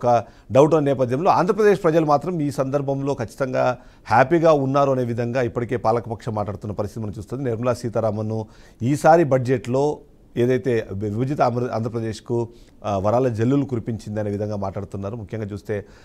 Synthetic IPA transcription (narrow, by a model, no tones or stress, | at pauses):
kɐɖɐwʈ̬ɐnnɛːpɐd̪jɐmlo̞ːaːnd̪ʱɾɐpɾɐd̪eːʂpɾɐd͡ʒɐlumaːt̪ɾɐmiːsɐnd̪ɐɾbʱɐmlo̞ːkɐt͡ʃːi̥t̪ɐŋɡaː | haːpiɡaːunːaːɾuɐne̞ːʋid̪ʱɐŋɡaːipːɐʈike̞ːpaːlɐkɐpɐkʂɐmaːʈlaːɽut̪unːɐpɐɾist̪it̪iɐnɐmt͡ʃuːst̪ond̪ineɾmɐlaːsiːt̪ɐɾaːmɐnːu | iːsaːɾibɐd͡ʒd͡ʒe̞ʈlo̞ː | e̞ːd̪ɐjt̪e̞ːʋibɐd͡ʒit̪ɐama̰ːnd̪ʱɐpɾɐd̪eːʂku | ʋɐɾaːlɐd͡ʒelːulukuɾipiɲt͡ʃind̪ɐne̞ːʋid̪ʱɐŋɡaːmaːʈlaːɽut̪unːaːɾumukʰjɐŋɡaːt͡ʃuːst̪e̞ː